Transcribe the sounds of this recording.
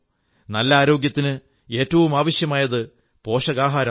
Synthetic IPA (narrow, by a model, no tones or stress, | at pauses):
nɐlːɐaːɾo̞ːɡjɐt̪ːinɨ | e̞ːtːɐʋumaːʋɐɕjɐmaːjɐðɨ | po̞ːʂɐɣaːɦaːɾɐ